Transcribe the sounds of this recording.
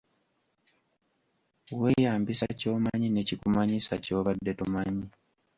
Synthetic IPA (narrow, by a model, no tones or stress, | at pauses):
we̞ːjaːmbisaco̞ːmaɲine̞cikumaɲisaco̞ːβadːe̞tumaɲi